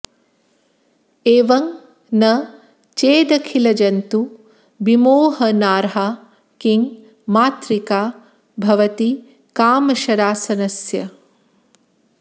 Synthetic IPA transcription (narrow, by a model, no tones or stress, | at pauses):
eːʋɐŋ | nɐ | t͡ʃeːd̪ɐkʰilɐd͡ʒɐnt̪u | bimoːɦɐnaːɾɦa | kiŋ | maːt̪ɾikaː | bʱɐʋɐt̪i | kaːmɐʃɐɾaːsɐnɐsjɐ